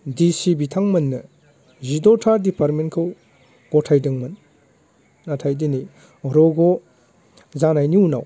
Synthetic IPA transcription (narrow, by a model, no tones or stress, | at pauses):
disibitʰaŋmɐnːɐ | zidotʰaɾdipaɾmenkʰɯw | ɡ̥ɔtʰajdɯŋmɐn | natʰajdini | ɔɾɔɡo | zanajniuna̰w